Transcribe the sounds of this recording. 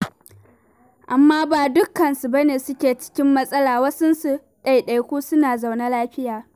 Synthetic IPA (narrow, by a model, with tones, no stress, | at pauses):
ʔa˨mːaː˦baː˨dʊ˦kːɐ˨nsu˨bɐ˦neː˨sʊ˦kʲeː˨t͡ʃɪ̥˦kʲɪ˦mːɐ˦sʼɐ˦laː˨wɐ˦sʊ˦nsu˨ | ɗa˨jɗa˨jkʷuː˦sʊ˦naː˨za˨wna˦laː˦ɸɪ˦jaː˨